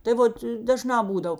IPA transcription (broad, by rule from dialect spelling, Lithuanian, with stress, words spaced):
tɐɪ ˈʋoːt dɐˈʒnɑː ˈbuːdɐw